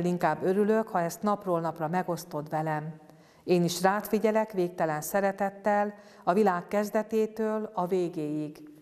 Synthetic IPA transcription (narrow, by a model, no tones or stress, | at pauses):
liŋkaːbːø̞ɾyløkhɒɛst̪nɒproːlnɒprɒmɛɡo̞st̪o̞d̪ʋɛlɛm | eːniʃraːt̪fiɟɛlɛkʋeːk̚t̪ɛlɛnsɛɾɛt̪ɛt̪ːɛl | ɒvilaːkːɛzd̪ɛt̪eːt̪øːlɒveːɡeːjiɡ